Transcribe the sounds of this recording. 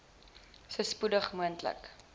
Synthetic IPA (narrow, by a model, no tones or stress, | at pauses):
səspudəχmuəntlə̰k